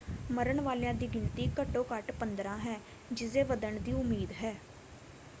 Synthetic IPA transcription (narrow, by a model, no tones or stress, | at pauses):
məɾəɳʋaːljãːd̪iːɡɪnt̪iːkəʈːoːkəʈpənd̪ɾãːɦɛː | d͡ʒɪseːʋəd̪əɳd̪iːʊmːiːd̪ɦɛː